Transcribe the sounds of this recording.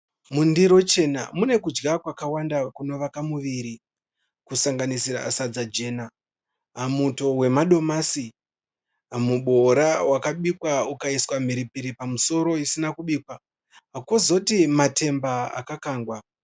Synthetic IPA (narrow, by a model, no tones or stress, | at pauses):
mundiɾo̞t͡ʃe̞namune̞kud͡ʒɡakwakawandakuno̞ʋakamuʋiɾi | kusaŋɡanisiɾa̰asad͡zad͡ʒe̞ːna | ɦamuto̞we̞maɗo̞masi | muɓo̞ɾawakaɓikwaukaiswam̤iɾipiɾipamuso̞ɾo̞isinakuɓiːkwa | ɦakozo̞timate̞mbaa̰kakaːŋɡwa